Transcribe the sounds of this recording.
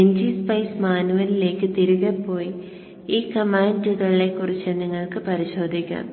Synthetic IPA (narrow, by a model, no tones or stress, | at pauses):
eɲd͡ʑispɐjsmaːnuʋɐlile̞ːkːɨt̪iɾuɣɐpːo̞ːj | iːkɐmaːɳɖuðɐɭːekːurit͡ɕːɐniŋːɐɭkɨpɐɾiɕo̞ːd̪ʱikʲːa̰ːm